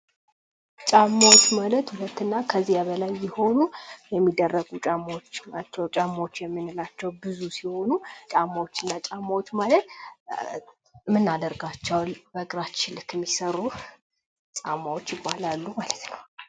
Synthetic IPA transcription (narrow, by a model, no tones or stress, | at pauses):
t͡ʃʼamːawot͡ʃːmalət̪hulət̪ːɨnːakʰəzijaβəlajːɪho̞nujɛmːid̪ːərːəɡut͡ʃʼamːot͡ʃːat͡ʃːɛwt͡ʃʼamːaot͡ʃːjɛmːɨnɨlat͡ʃːɛwbɨzusiho̞nut͡ʃʼamːawot͡ʃːɨnːat͡ʃʼamːawot͡ʃːmalət̪ | mɨnːad̪əɾɡat͡ʃːɛwalbəɡʼɾat͡ʃːɪlɨkɨmːisərːu | t͡ʃʼamːawot͡ʃːjɪbalalːumalət̪nəw